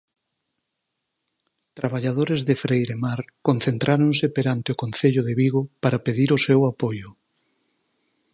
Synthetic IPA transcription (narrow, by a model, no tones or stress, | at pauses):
t̪ɾaβaʎaðoɾezðefɾejɾemaɾkon̟θent̪ɾʔaɾoŋsepeɾant̪eokõnθeʎʊðeβiɣopaɾapeðiɾʊsewapojʊ